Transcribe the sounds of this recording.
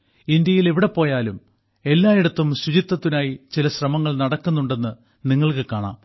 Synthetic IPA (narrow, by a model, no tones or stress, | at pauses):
ind̪jɐjileʋiɽe̞po̞ːjaːlum | e̞lːaːjiɽɐt̪ːumɕut͡ɕit̪ːɐt̪ːinaːjit͡ɕilɐɕrɐmɐŋːɐɭnɐɽɐkːunːuɳɖe̞nːɨ | niŋːɐɭkɨkaːɳa̰ːm